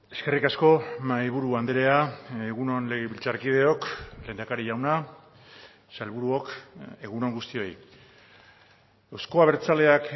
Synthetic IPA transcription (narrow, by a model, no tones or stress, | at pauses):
e̞ske̞rikasko̞majβuɾuand̪eɾe̞aeɣuno̞nleɣeβilt͡saɾkið̞e̞o̞kle̞nd̪akaɾiʝawna | salβuɾuoke̞ɣuno̞ŋɡust̪io̞j | ewsko̞aβe̞ɾt͡sale̞ak